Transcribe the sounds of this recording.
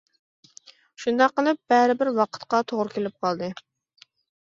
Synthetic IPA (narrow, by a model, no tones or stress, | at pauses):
ʃund̪ɑqːəlˠɨp̚b̥ɛɾɪbɪɾwɑqʰə̥t̪qɑt̪ʰoʁɾɨkʲelɪp̚qʰɑlˠd̪ɨ